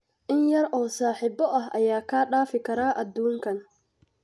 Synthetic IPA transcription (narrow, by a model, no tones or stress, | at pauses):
ʔɪnjɐɾɔːsaːħiːbɔʔɐɦʔɐ̰jaːkʰaːɗaːfɪkʰɐɾaːʔɐd̪uːŋkʰɐn